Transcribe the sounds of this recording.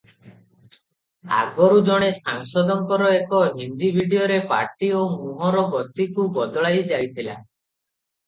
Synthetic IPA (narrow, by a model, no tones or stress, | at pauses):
a̰ɡɔɾud͡ʒɔɽ̃esaŋʃɔd̪ɔŋkɔɾɔekɔɦind̪ibʱiɖijoɾepa̰ɾʈiomuɦɔɾɔbɔt̪ːikubɔd̪ɔɭajd͡ʒajt̪ʰila̰